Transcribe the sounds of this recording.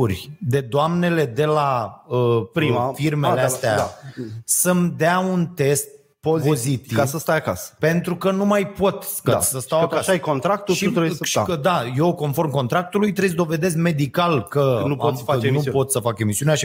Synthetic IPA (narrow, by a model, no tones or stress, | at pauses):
urʲd̪e̞d̪oamne̞le̞d̪e̞laəpimfirmeleast̪eaasəmd̪eaunt̪e̞st̪̚ | pozpo̞zzit̪ikavsəst̪ajakasə̥pe̞nt̪ɾukənumajpo̞t̪ka̰səst̪awakasajkont̪ɾak̚t̪uʃiut̪ɾebsʃi̥kəd̪aje̞wko̞nfo̞rmko̞nt̪ɾak̚t̪ulujt̪ɾes̬d̪o̞ve̞d̪e̞s̬me̞d̪ikalkənuomanupo̞t̪səfake̞misiuneaʃi